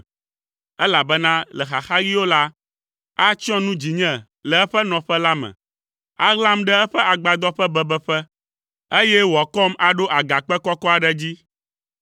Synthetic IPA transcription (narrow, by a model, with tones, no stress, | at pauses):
ɛ˦la˨bɛ˦nã˦lɛ˨xa˨xa˦ɣi˦wo˦la˦ | a˦t͡ʃɔ̃˦nũ˦d͡ʑi˨ɲɛ̃˦ | lɛ˨ɛ˦ɸɛ˦nɔ̃˨ɸɛ˦la˦mɛ̰̃˨ | a˦ɣlã˦mɖɛ˦ɛ˦ɸɛ˦a˨ɡ͡ba˨d̪ɔ˦ɸɛ˦bɛ˦bɛ˦ɸɛ˦ | e˦jɛ˦wɔ˨kɔ˦ma˨ɖo˦ʔa˨ɡa˨k͡pɛ˦kɔ˦kɔ˦a˨ɖɛ˦d͡ʑi˦